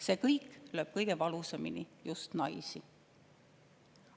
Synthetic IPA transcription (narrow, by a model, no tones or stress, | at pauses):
se̞ːkɤjkløːb̥̚kɤjɡ̥e̞vɑluseminijust̪nɑjsi